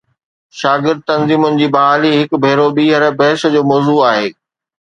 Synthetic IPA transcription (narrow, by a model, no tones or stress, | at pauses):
ʃaːɡɪɾd̪̚t̪ɐnziːmʊnɪ̆d͡ʑiːbɐɦaːliɦɪk̆bʱeːɾoɓiːɦəɾbɛɦsd͡ʑoːmɔːzuaːɦeː